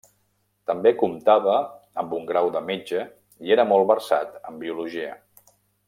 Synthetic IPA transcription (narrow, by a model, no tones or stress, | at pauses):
t̪əmbekumt̪aβə | əmbuŋɡɾawðəmed͡ʒə | ieɾəmɔlˠβərsa̰t̪əmbiuluʒiə̰